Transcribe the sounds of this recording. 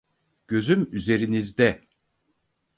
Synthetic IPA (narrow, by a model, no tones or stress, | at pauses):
ɟ̥ø̞zymyze̞ɾinizd̪ɛ